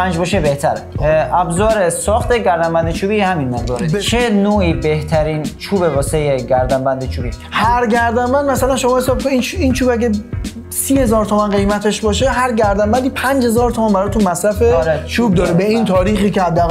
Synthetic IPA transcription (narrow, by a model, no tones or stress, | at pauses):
pʰænd͡ʒbɒːʃebeht̪ʰæɾeʔæbzɒːɾesɒːxt̪eɟæɾd̪æmbænd̪et͡ʃʰuːbiːhæminmeʁd̪ɔːɾt͡ʃʰenoːʔiːbeht̪ʰæɾiːnt͡ʃʰuːbebɒːsejeɡæɾd̪æmbænd̪et͡ʃʰuːbihæɾɟæɾd̪ænbænd̪̚mæsælænʃo̞mɒːhe̞sɒːb̚kʰoinint͡ʃʰuːbæɡe | siːhe̞zɒːɾt̪ʰomænɢejmæt̪ʰe̞ʃbɒːʃeɦæɾɟæɾd̪æmbænd̪iːpʰænd͡ʒhezɒːɾt̪ʰomænbæɾɒːt̪ʰunmæsɾæfeɾet͡ʃʰuːb̚d̪ɒːɾebeint̪ʰɒːɾiːxiːcehæd̪ːæːɣ